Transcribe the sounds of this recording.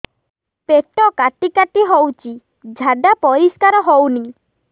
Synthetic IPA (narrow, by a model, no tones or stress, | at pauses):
peʈɔkaʈikaʈiɦowt͡ʃʰi | d͡ʒʱaɖ̪apɔɾiskaɾɔɦowni